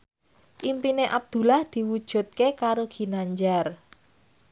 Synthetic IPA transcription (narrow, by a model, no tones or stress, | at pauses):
ʔimpineʔab̚d̪̥ṳlahd̪̥i̤wud̥ʒ̥ṳt̪̚kekaɾoɡ̥i̤naɲd͡ʒar